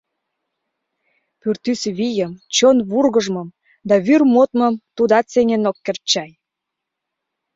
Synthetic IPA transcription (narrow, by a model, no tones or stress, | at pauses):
pyrt̪ysβijəmt͡ɕonβurɣəʒmɤ̆m | d̪ɑβyrmot̪mɤ̆mt̪ud̪ɑt͡seŋenokːert͡ɕɑj